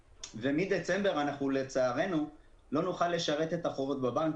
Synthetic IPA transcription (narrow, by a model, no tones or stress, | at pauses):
vemid̪et͡se̞mbe̞ʁanaχnule̞t͡saːʁe̞nu | lo̞nuχalːe̞ʃaʁe̞t̪e̞t̪aχo̞vot̪̚babank